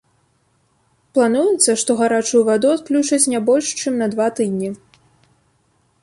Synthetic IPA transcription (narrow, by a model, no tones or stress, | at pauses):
plˠanujɛt̪sːɐʂt̪ɔɣaɾat͡ʂujuvad̪uat̪̚klʲut͡ʂɐt͡sʲnʲabɔlʲʂt͡ʂɨmnɐd̪vat̪ɨd̪ʲnʲi